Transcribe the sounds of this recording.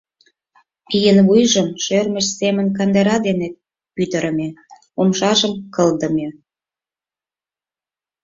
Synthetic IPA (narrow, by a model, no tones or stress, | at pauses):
kijənβujʒəmʃørməʃsemə̆nkɑnd̪eɾɑd̪ene | pyt̪əɾə̆me | omʃɑʒəmkəld̪ə̆me